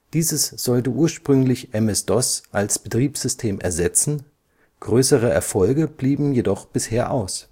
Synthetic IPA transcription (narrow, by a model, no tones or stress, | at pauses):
d̥iːzəsz̥ɔltəʔuːɐʃpʁ̥ʏŋlɪçʔɛmɛsd̥ɔsʔalsb̥ətʁ̥iːpz̥ʏstʰeːmʔɛ̰ɐzɛt͡sn̩ | ɡ̥ʁøːsəʁ̞əʔɛɐfɔlɡəb̥liːbm̩jedɔχb̥ɪsheːɐʔaʊs